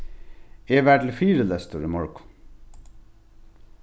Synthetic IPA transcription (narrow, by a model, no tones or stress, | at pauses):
eːʋæːʈl̩fiːɾəlɛst̪əɹiːmɔɹkʊ̥